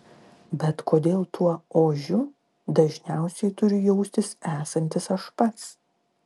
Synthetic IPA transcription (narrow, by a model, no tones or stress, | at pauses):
bʲɛt̪kʰoːd̪ʲeːlˠt̪uɔoːʒʲʊ | d̪ɐʒʲnʲæˑʊsʲɛɪt̪ʊɾʲʊjɛʊsʲt̪ʲɪsæːsɐnʲt̪ʲɪsɐʃpɐt̪s